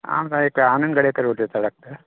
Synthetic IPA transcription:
a̰ːmsãeːkaːnɐnɡɐɽekɐɾoːt̪et̪ɐɽɐk̚t̪a

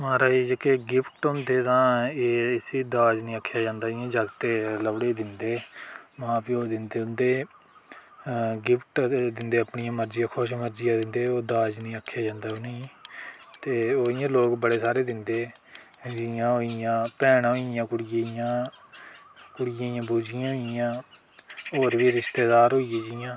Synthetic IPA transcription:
mãːɾaːiːd͡ʒəkeɡɪpʰʈʊnd̪eːt̪ãːeːɪsiːd̪aːd͡ʒnĩːəkʰːjaːd͡ʒãːnd̪aːɪjãːd͡ʒəɡt̪eːləbɽeːd̪ɪnd̪eːmãːpioːd̪ɪnd̪eːʊnd̪eː | ɡɪpʰʈd̪ɪnd̪eːəpɳɪjãːməɾd͡ʒɪjãːkʰʊʃməɾd͡ʒɪjãːd̪ɪnd̪eːoːd̪aːd͡ʒnĩːəkʰːjaːd͡ʒãːnd̪aːoneiː | t̪eːoːɪjãːloːkbəɽeːsaːɾeːd̪ɪnd̪eː | d͡ʒɪjãːɦoːɪjãːpɛːɽɦoːɪjãːkʊɽɪjaːɪjãː | kʊɽɪjãːijãːbuːd͡ʒɪjãːɦoɪjãː | oːɾʋiːɾɪst̪eːd̪aːɾɦoːijeːd͡ʒɪjãː

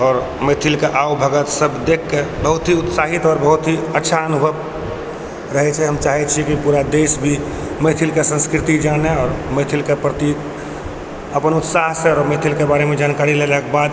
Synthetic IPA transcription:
ɔːɾ | met̪ʰilkeʔaobʱəɡət̪səbd̪ekʰːebəɦʊt̪ɦiʊt̪saːɦit̪ɔːɾbəɦʊt̪ɦiətːʃʰaənubʱəʋ | ɾəɦɛt͡ʃʰɛɦəmt͡ʃaɦɛt͡ʃʰikipuɾad̪eːsbʱi | met̪ʰilkesə̃nskɾɪt̪id͡ʒaːneɔːɾmet̪ʰilkepɾət̪iːk | əpənʊt̪saɦseɔːɾmet̪ʰilkebaːɾemẽd͡ʒaːnkaɾilelɛkebaːd̪

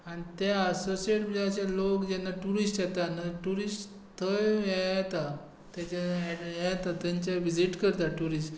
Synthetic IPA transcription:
añit̪jaəsosieʈbəd͡ʑat͡ɕalokd͡ʑɛnːaʈuɾisʈjɛt̪anaʈuɾisʈ | t̪ʰəjjɛt̪a | t̪jat͡ɕaɛjɛt̪at̪jaɲt͡ɕaʋid͡ʑiʈkəɾt̪aʈuɾisʈ

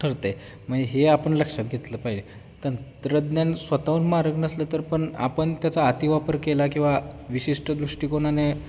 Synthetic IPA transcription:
ʈʰəɾt̪e | məɡiɦeapəɳləkʂat̪ɡʱet̪ləpaɦid͡ʑe | t̪ənt̪ɾəd̪njansʋət̪aunmaɾəɡnəslət̪əɾpəɳa̰pəɳt̪jat͡saːt̪iʋapəɾkelakĩw̃ʋaʋiɕiʂʈəd̪ɾuʂʈiːkoɳane

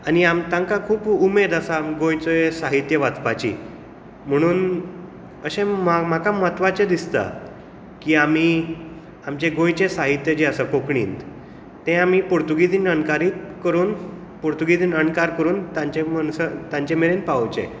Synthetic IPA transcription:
aniamt̪jãŋkakʰuːpumed̪asamɡõjt͡sosaɦit̪jəʋat͡spat͡ɕḭ | m̤əɽ̃uːn | əɕẽmam̤akamat̪ʋat͡ɕed̪ist̪a̰ | kiːami | amt͡ɕẽɡõjt͡ɕesaɦit̪jəd͡ʑiasakokɳiːnt̪ | t̪ẽamipuɾt̪uɡid̪iːnənkaɾiːt̪kəɾuːn | puɾt̪uɡid̪iːnəɳkaɾkəɾuːnt̪ãt͡ɕemənsət̪ãɲt͡ɕemeɾenpawt͡ɕḛ̃

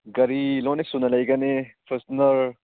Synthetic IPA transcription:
ɡɐɾilonek̚sunɐlɐjɡɐnepʰesnɐɾ

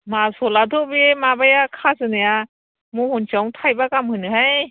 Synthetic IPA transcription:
masɔladʰɔbiemabajakʰazɯnaja | muhɔnt͡ʃawŋtʰajbakamhɯnɯɦaj

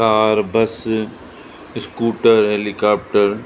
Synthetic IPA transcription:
aːɾbɐs | skuːʈəɾɦeːlikaːp̚ʈəɾ

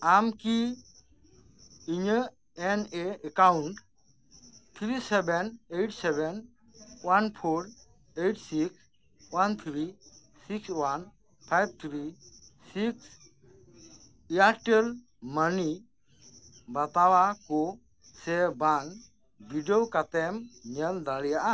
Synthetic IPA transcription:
amki | iɲə | eneekawɳʈ | t̪ʰɾisebenejʈsɛben | wanpʰoɾ | ejʈsiks | want̪ʰɾi | sikswan | pʰajb̚t̪ʰɾisiks | iaʈel | məni | bat̪awakɔ | sɛban | bʱiɖiokat̪ɛmɲɛld̪aɽijaʔa

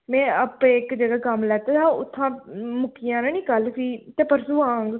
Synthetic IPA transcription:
mɛ̃ːəpẽːɪkd͡ʒeːɡaːkəmlɛːt̪eːt̪ãːʊt̪ʰːãːmʊkʰːɪjãːnãːnĩːkəlsiːt̪eːpəɾsuːaːŋɡ

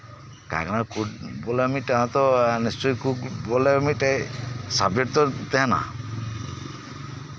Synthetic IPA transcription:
ka̰kanakʰubɔleamiʈeɦãt̪ɔnist͡ʃɔjkubɔlemiʈesabjɔɾt̪ɔt̪ɛɦãna̰

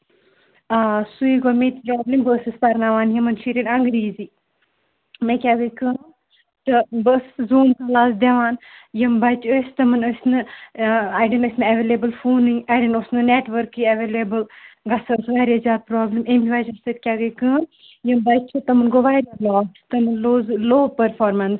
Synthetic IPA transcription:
asuiɡoːmet̪ipɾoːblimbəːsɨspɐɾnaʋaːnjɐmɐnʃʰiɾʲinɐŋɡɾiːzi | mekʲaɡɐjkɨːn | t̪ɨbəːszuːmkɐlaːsd̪eʋaːnjɐmbɐt͡ʃəsʲt̪ɐmɨnɐsʲnɨ | ajɖɐnɐsʲnɨɐʋelebɨlfuːnɨaːjɖɐnosnɨneːʈʋəɾkːiɐʋeːlebɨlɡɐsɐsʋaɾʲjazʲjaːd̪̚pɾɔːblɐmemʲiʋat͡ʃɐst̪ɐt̪̚ʲkʲaːɡɐjkɨːn | jɐmbɐt͡ʃʰut̪ɐmɨnɡoʋaːɾalɔːʈt̪ɐmɨnloːzloːpɐɾfʰɔːɾmɐns

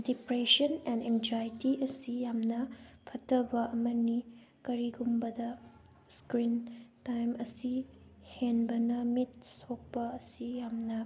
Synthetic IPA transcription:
dipɾesɐnɛnend͡ʒajtiɐsijamnɐpʰɐtʰɐbɐʔɐmɐni | kɐɾiɡumbɐdɐ | skɾintajmɐsihenbɐnɐmit̚sok̚pɐːsijamnɐ

